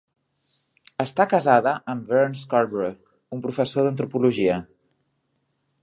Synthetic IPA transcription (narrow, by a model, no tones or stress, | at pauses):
əst̪akəzaðəʔəmbɛɾnskaɾβɾe | umpɾufəsoðənt̪̬ɾupuluʒiə